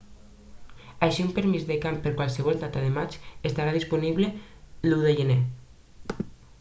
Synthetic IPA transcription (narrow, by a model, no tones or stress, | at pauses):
aʃiumpəɾmizðekampəɾkwalˠsəβ̞ɔlˠd̪at̪aðemat͡ʃest̪aɾaðispuniβleluðeʒene